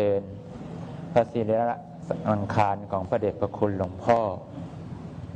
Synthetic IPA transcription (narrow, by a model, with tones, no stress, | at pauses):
ɤː˧n | pʰa˧siː˨˦li˧˦˧ | ʔa˧ŋkʰaː˧nkʰɔː˩˦ŋpʰa˧deː˨˩t̚pʰa˧kʰu˧nlo˧ŋpʰɔː˥˩